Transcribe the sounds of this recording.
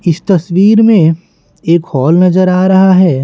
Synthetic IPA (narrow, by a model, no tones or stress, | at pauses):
ɪst̪ɐsʋiːɾmẽ | eːkhɔːlnɐzəɾaːɾɐɦaɦɛː